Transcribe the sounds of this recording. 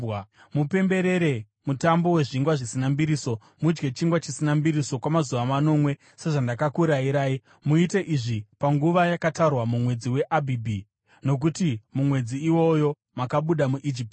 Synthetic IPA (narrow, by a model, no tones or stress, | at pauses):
mupe̞mbe̞ɾe̞ɾe̞ | mutambo̞we̞ʐiŋɡwaʐisinambiɾiso̞ | mud͡ʒɡe̞t͡ʃiŋɡwat͡ʃisinambiɾiso̞kwamazuʋamano̞mwe̞ | se̞ʐandakakuɾaiɾaːi | muite̞ʔiʐipaŋɡuʋajakatarwamumwe̞d͡ziwe̞ʔabʱibʱi | no̞k̬utimumwe̞d͡ziːwo̞jo̞ | makaɓuɗamuʔid͡ʒip̚t